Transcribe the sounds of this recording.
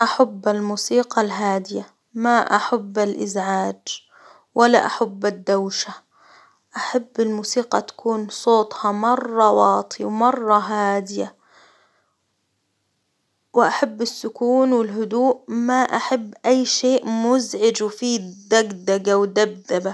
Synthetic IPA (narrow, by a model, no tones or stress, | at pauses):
ʔaħabːalmuːsiːqɑlɦaːd̪ɪja | maʔa̰ħabːalʔɪ̰zʕaːd͡ʒ | wʔalːa̰ʔaħabːad̪ːawʃa | ʔaħabːɪlmuːsiːqɑt̪ḁkuːnsˤoːt̪ˤhɑmɑrˤːɑwɑːt̪ˤʰiwmɑrˤːɑɦaːd̪ɪja | wɪʔaħabːasːʊkuːnwɪlɦʊd̪uːʔmaʔaħabːʔajːʃeːʔmʊzʕɪd͡ʒwɪfiːd̪ːaɡd̪aɡawd̪ab̚d̪aba